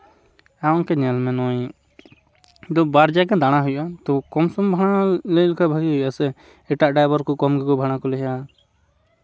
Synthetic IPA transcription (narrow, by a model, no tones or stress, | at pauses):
aɔŋkɛɲɛlmɛnɔj | d̪ɔbaɾd͡ʒaɡɛd̪aɽ̃aɦujʔat̪ɔkɔmsɔmbʱaɽ̃alɛjlɛkʰabʱaɡiɦujʔasɛ | ɛʈaʔɖajbɔɾkɔkɔmɡɛkɔbʱaɽ̃akɔlɛɦɛʔa